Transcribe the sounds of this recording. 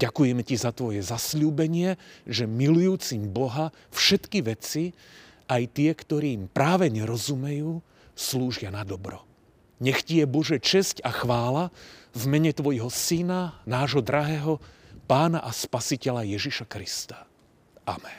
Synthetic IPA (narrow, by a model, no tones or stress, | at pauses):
ɟakujɛmɛcizat̪ʋɔjɛzasʎuːbɛɲɪɛʒɛmilujuːt͡simbɔɦa | fʃɛt̪kiʋɛt͡si | ajt̪ɪɛkt̪ɔɾiːmpɾaːʋɛɲɛɾɔzumɛjuː | sluːʒɪanad̪ɔbɾɔ | ɲɛxcijɛbɔʒɛt͡ʃɛscaxʋaːlavmɛɲɛt̪ʋɔjɦɔsinanaːʒɦɔd̪ɾaɦɛːɦɔ | paːnaʔaspasicɛʎajɛʒiʃakɾist̪ḁ | amɛn